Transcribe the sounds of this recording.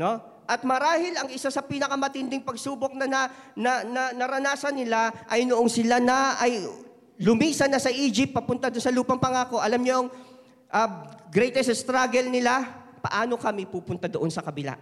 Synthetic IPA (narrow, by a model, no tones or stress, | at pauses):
no̞ | ʔɐt̪̚mɐɾaːhɪlɐŋɪsasɐpiːnɐkɐmɐt̪ɪnd̪ɪŋpɐɡsuːbo̞k̚nɐnɐnɐnɐnɐɾɐnaːsɐnːɪlaʔɐjnoʔonsɪlanɐʔɐj | lʊmiːsɐnːɐsɐʔiːd͡ʒɪp̚t̪̚pɐpʊnt̪ad̪onsɐluːpɐŋpɐŋaːko̞ʔɐlamɲoŋ | ʔɐɡɾɛjt̪ɛsst̪ɾaɡɛlnɪla | pɐ̰ʔaːno̞kɐmɪpuːpʊnt̪ad̪oʔo̞nsɐkɐbɪla̰